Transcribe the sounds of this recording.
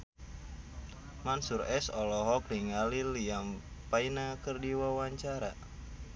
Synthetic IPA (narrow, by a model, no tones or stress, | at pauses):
mansuɾɛsɔlɔɦɔkliŋaliliampainakərdiwawaɲt͡ʃaɾa